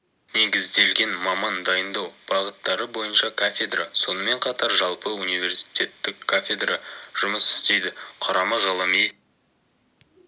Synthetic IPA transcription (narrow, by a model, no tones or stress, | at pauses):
ne̞ɡʲɪzd̪e̞lɡʲe̞nmɑmɑnd̪ɑjənd̪ɑwb̥ɑʁət̪ːɑɾəbo̞jənʃɑkʰafʲed̪raso̞nəme̞ɴqʰɑt̪ɑɾʒɑlˠpəunijvʲe̞ɾsi̥t̪ʲe̞t̪ːɪkʰːafʲe̞d̪raʒ̥ʊməsɪ̥st̪e̞jd̪ɪqʰʊɾɑmɑʁɑlˠəmej